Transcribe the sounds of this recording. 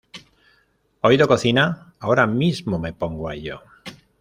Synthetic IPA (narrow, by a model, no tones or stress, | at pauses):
oiðoko̞θina | ao̞ɾamizmome̞po̞ŋɡoaeʎo̰